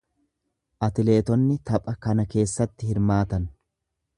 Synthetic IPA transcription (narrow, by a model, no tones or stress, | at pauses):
ʔɐt̪ɪle̞ːt̪ɔnːɪt̪ɐpʼɐkɐnɐke̞ːsːɐt̪ːɪhɪɾmaːt̪ɐn